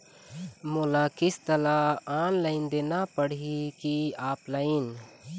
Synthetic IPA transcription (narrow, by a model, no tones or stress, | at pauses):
molakist̪əlaaːnləɪnd̪eːnapəɽ̤ikiaːpləin